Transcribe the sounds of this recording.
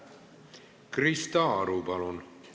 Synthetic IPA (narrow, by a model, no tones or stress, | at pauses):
krist̪ɑːɾupɑlun